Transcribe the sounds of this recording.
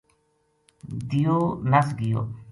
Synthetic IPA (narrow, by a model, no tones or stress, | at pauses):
d̪ijoːnəsɡɪjo̰ː